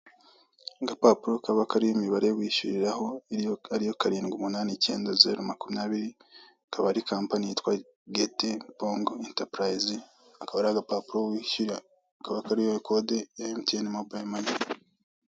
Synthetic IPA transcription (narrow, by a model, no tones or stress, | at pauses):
ɡapapuɾokaβakaɾijimiβaɾewiːʃṵɾiɾaho̞aɾijo̞kaɾiːŋɡumunaːnice̞̰ːndaze̞̰ɾomakuminaːβiɾi | akaβaɾikaːmpaɲiitwa | ɡetepoŋɡentapɾajzi | akaβaɾaɡapapuɾowiʃiɾa | kaβakaɾijoekʰodejaimtenimobamani